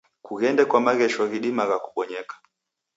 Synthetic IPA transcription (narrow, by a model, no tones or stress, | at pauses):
kuɣɛndɛkwamaɣɛʃɔɣiɗimaɣaku̥ɓɔɲɛkḁ